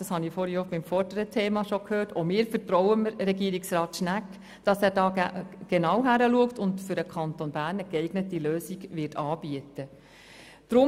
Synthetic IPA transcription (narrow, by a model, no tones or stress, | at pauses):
ɑshɑnifoːɾiobɪmfɔrdəɾətʰeːmɑʃɔkʰhøːɾtomɪːɾfəɾtɾɔwəmɾɛɡiːəɾiksrɑːt̪ʃnæk | d̥ɑsæːɾdɑːɡ̥enɑwɦæɾəluəktʊndfʏɾəkʰɑntonbæːɾnəɡɛɪɡnətiløːsiɡʋɪɾtɑːb̥iətə | d̥ɾʊ